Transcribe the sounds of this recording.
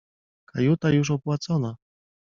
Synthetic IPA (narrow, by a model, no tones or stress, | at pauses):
kʰajut̪ajuʂ̬ɔpwat̪sɔna